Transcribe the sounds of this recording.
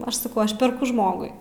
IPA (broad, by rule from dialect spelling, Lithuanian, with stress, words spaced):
ˈɐʃ sɐˈkɐʊ ˈɐʃ pʲɛrˈkʊ ˈʒmoːɡʊɪ